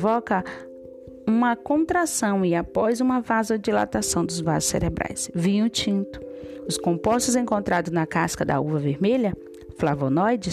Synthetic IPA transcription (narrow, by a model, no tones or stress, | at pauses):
vɔkɐ | ũmɐkõt̪ɾasɐ̃w̃ɪapɔjzũmɐvazɐd͡ʒila̰t̪asɐ̃w̃d̪ʊzva̰zʊsḛɾebɾʔa̰jsvĩɲʊt͡ʃĩnt̪ʊ̥ʊskõpɔst̪ʊzẽŋkõnt̪ɾad̪ʊznɐkaskɐd̪ɐ̰uvɐveɾmeʎɐ | flavonɔjd͡ʒɪ